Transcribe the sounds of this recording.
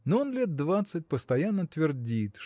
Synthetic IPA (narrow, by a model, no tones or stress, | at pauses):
noonlʲe̞t̪̚d̪vat̪sɨt̚ʲpəst̪ɐjanːət̪vʲɪrdʲit̪ʂ